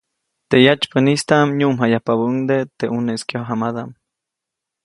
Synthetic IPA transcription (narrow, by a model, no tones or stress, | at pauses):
t̪ejat͡ʃpənist̪aʔmɲuʔmɦajahpabuŋd̪et̪eʔuneskjoɦamad̪am